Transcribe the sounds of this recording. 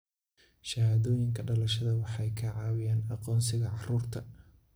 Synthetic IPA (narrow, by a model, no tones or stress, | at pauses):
ʃɐhaːðɔːjɪŋkʰɐɖɐlɐʃɐðɐwɑħɑjkʰɐʕɑːwɪjaːnɑqɔːnsɪɣɐʕɑruːrt̪ʰɐ